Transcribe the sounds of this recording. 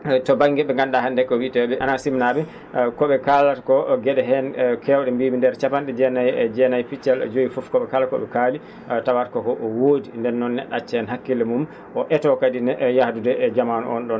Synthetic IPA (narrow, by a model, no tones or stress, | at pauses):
tɔbaŋɡɛɓɛŋɡanɗahandɛkɔwitɛɓɛʔanasimnaɓɛ | kɔɓɛkalatakɔɡɛɗɛɦɛnkʰɛwɗɛmbimindɛɾt͡ʃapanɗɛd͡ʒɛnajd͡ʒɛnajpit͡ʃːɛld͡ʒoifufkɔɓɛkalakɔ̰ɓɛkali | tawatakɔkɔʔɔwoːdindɛnːɔnːɛ̰ɗːat͡ʃːɛɛnɦakːilɛmum | ʔɔʔɛtɔkadinjahdudɛd͡ʒamanɔ̰ɔ̰nɗɔn